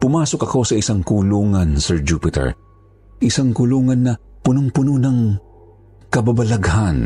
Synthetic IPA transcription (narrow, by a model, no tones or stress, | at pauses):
pʊmaːsokɐko̞sɐɪsaŋkuluːŋɐnsɛɹd͡ʒupɪt̪ɛ̰ɹ | ʔɪsaŋkʊluːŋɐnːɐ | pʊnoŋpʊnonɐŋ | kɐbabɐlɐɡhan